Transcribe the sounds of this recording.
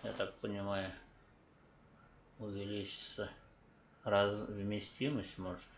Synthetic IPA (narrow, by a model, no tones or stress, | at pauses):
ja̰t̪ak̚pənʲɪmajʊ | ʊvʲɪlʲit͡ɕɪ̥t̪sə | razvmʲɪsʲtʲiməsʲtʲmoʐət̪